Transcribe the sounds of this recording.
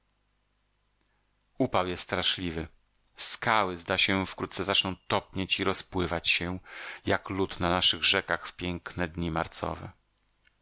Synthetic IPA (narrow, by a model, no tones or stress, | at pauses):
upawjɛst̪ːt̪ɾaʂlʲivɘ | skawɘzd̪aɕɛfkɾut̪t̪sɛzat͡ʂnɔ̃w̃t̪ɔpɲet͡ɕiɾɔspwɘvat͡ɕɕɛjaklut̪nanaʂɘɣʐɛkaxfpʲjɛŋknɛd̪ɲimaɾt̪sɔ̰vɛ̰